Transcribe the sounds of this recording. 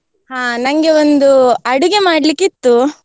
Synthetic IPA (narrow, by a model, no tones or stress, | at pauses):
haːnɐŋɡe̞ond̪uɐɽuɡe̞maːɽlikːit̪ːu